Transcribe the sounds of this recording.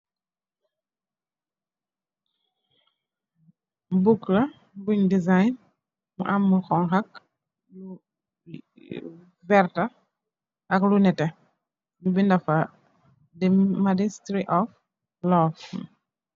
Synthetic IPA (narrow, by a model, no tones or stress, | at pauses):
buklɐ | buɲdizajn | mṵʔamːuxɔŋxak̚ | u | vɛɾtɐ | ʔɐklunɛtɛ | ɲubindɐfɐ | dɛmadistɾiʔɔf | lɔf